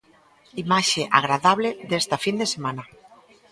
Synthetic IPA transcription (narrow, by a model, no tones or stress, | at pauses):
imaʃeʔa̰ɣɾaðaβleðest̪afind̪esemãna